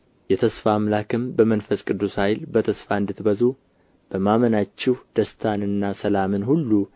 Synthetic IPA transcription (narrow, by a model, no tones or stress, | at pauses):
jɛt̪ʰəsfamlakʰɨmbəmənfəskʼɨd̪ːushajlbət̪ʰəsfaɨnd̪ɨt̪bəzu | b̥əmamənat͡ʃːɪhd̪̥əst̪ʰanɨnːasəlamɨnhulːu